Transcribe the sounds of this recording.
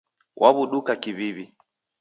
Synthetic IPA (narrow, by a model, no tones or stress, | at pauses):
wʔaβuɗukakiβiβi